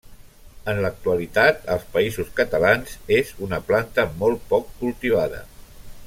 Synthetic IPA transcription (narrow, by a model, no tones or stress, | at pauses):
ənlək̚t̪uəlit̪at̪əlˠspəizuskət̪əlanzezunəplant̪əmɔlˠt̪̚pɔkːulˠt̪iβ̞aðə̰